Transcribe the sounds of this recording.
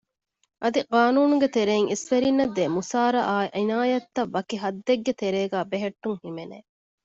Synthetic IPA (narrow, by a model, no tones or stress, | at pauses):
ʔɐd̪iqaːnuːnuɡet̪eɾeːŋisfeɾinːɐd̪emusaːɾɐʔaːʔinaːjɐt̪ːɐʋːɐkiɦɐd̪ːeɡːet̪eɾeːɡæːbeɦeʈːuŋhimenḛː